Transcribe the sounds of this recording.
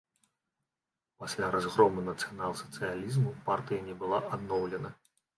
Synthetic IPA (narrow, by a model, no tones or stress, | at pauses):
pasʲlʲaɾazɣɾɔmɨnɐt̪sɨjanalˠsɐ̥t̪sɨjalʲizmupart̪ɨjɐnʲɛbɨlˠaʔad̪nɔwlʲɛnɐ